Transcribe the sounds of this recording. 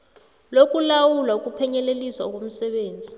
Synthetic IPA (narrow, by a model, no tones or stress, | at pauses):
lokʼulawulwauk̬ʼupʰɛɲɛleliswaɔk̬om̩sɛɓeːnd͡zʱi